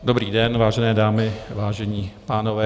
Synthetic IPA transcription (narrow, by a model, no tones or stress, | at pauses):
dobɾiːdɛnvaːʒɛnɛːdaːmɪvaːʒɛɲiːpaːnovɛː